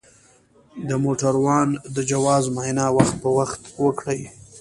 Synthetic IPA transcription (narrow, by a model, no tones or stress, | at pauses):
d̪əmoʈaɾwɑnd̪əd͡ʒawɑzmɑjnɑwaxt̪̚pəwaxt̪wəkɽəj